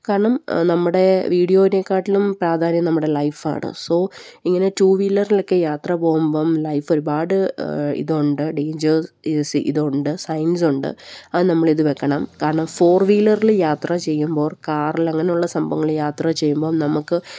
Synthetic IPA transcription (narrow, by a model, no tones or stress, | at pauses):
kaːɾɐɳɐmnɐmːuɽe̞ʋiːɽijo̞ːnekːaːʈːilumpɾaːd̪ʱaːnjɐmnɐmːuɽe̞lɐjfa̰ːɳɨ̰so̞ːiŋːɐne̞tuːʋiːlːɐrilo̞kːe̞jaːt̪rɐpo̞ːɣumboːmlɐjfoɾubaːɽɨḭðoɳɖɨɖe̞ːɲd͡ʑɐrsiʔḭðoɳɖɨsɐjns̬uɳɖɨ̰ɐðɨnɐmːɐɭiðɨʋekːɐɳɐmkaːɾɐɳɐmfo̞ːrʋiːlɐriljaːt̪rɐt͡ɕe̞jːumbo̞ːrkaːrilɐŋːɐne̞juɭːɐsɐmbɐŋːɐɭjaːt̪rɐt͡ɕejːumbo̞ːmnɐmukːɨ